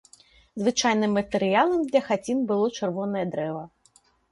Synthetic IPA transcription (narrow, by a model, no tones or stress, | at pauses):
zvɨt͡ʂajnɨmːɐt̪ɛɾɨjalˠɐmd̪lʲɐxat͡sʲinbɨlˠɔt͡ʂɨrvɔnɐjɐd̪ɾɛvɐ